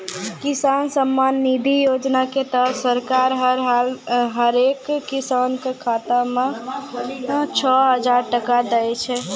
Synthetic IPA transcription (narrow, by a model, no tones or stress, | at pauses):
kisansəmːanːid̪ʱijod͡ʒnaket̪əsəɾkaɾɦəɾɦalɦəɾekːisankekʰat̪ame | t͡ʃʰɔɦəd͡ʒaɾʈəkad̪ɛjt͡ʃʰɛ